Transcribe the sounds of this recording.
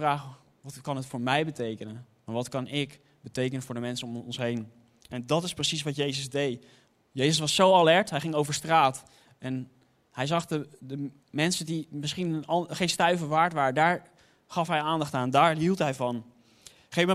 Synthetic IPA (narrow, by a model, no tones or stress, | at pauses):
raːχ | ʋɑtkɑnɦətfʊːɹmɛjbətejkənən | maːʋɑtkɑnɪk | bətejkənənvʊːɹdəmɛnsənɔmɔnsɦejn | ʔɛndɑtɪsprəsisʋɑtjejzəzdej | jejzəsʋɑsːowalɛɹtɦɛjχɪŋowvəɹstraːt | ɛn | hɛjzɑχdədə | mɛnsədimɪsχinnɑχẽjnstœɥvəʋaːɹtʋaːrədaːɹ | χɑfɦɛjaːndɑχtaːndaːɹɦilˠtɦɛjvɑn | χej